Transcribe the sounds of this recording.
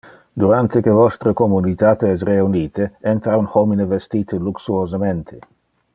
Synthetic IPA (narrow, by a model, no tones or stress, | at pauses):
d̪uɾant̪ekevɔst̪ɾəkomunit̪aːt̪eɛsreuniːt̪eɛnt̪ɾaunhɔminevest̪iːt̪eluksuozament̪ʰe